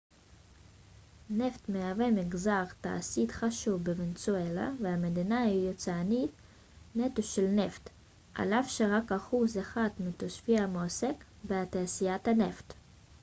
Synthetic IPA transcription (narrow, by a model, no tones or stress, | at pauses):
ne̞ft̪meavemiɡzaʁt̪a̰ʔa̰sit̪χaʃuvbevent͡suela̰veamed̪inahijot͡sanit̪ | net̪uʃelneft̪ | ʔa̰lavʃeʁakaχuzaχat̪mit̪oʃfiamoasek | beat̪aasijat̪haneft̪